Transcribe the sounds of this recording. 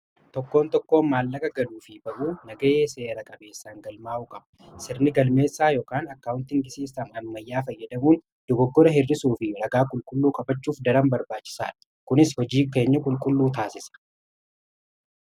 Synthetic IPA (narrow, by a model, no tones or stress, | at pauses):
t̪ɔkːo̞ːnt̪ɔkːo̞ːmaːlːɐkʼɐɡɐluːfɪbɐʔuːnɐɡɐeːse̞ːɾɐkʼɐbe̞ːsːaːŋɡɐlmaːʔuːkʼɐb̥ɐ | sɪɾnɪɡɐlme̞ːsːaːjoːkaːnɐkːawʊnt̪ɪŋɡɪseːsaːnɐmːɐjːaːfɐjːɐd̪ɐmuːn | d̪̥ɔɡɔɡːɔɾɐɦɪrːɪsuːfɪɾɐɡaːkʼʊlkʼʊlːuːkʼɐbɐt͡ʃːuːfd̪ɐɾɐmbɐɾbaːt͡ʃːɪ̥sa̰ːᶑɐ̥ | kʊnɪshɔd͡ʒiːke̞ːɲːɐkʼʊlkʼʊlːuːt̪aːsɪsɐ̥